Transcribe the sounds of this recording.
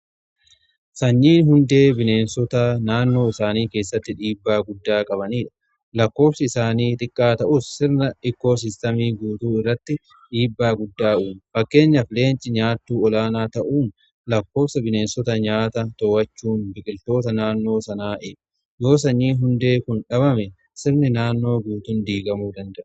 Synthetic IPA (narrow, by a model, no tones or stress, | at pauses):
sɐɲːiːnɦʊnd̪e̞ːbɪne̞ːnsɔt̪ɐnaːnːo̞ːɪsaːniːke̞ːsːɐt̪ːɪᶑiːbːaːɡʊd̪ːaːkʼɐbɐniːᶑɐ̥ | lɐkːo̞ːfsɐɪsaːniːt̪ʼɪkʼːaːt̪ɐʔʊsːɪɾnɐʔɪkːo̞ːs̬ɪst̪ɐmiːɡuːt̪uːɪrːɐt̪ːɪ | ᶑiːbːaːɡʊd̪ːaːuːnfɐkːe̞ːɲːɐfɪle̞ːnt͡ʃʼɪɲaːt̪ːuːɔlaːnaːt̪ɐʔuːn | lɐkːo̞ːfsɐbɪneːnsɔt̪ɐɲaːt̪ɐt̪ɔwɐt͡ʃːuːnbɪkʼɪlt̪o̞ːt̪ɐnaːnːo̞ːsɐnaːʔeː | jo̞ːs̬ɐɲːiːɦʊnd̪e̞ːkʊnᶑɐβɐmɛ | sɪɾnɪnaːnːo̞ːɡuːt̪ʊnd̪iːɡɐmuːd̪ɐnd̪ɐʔɐ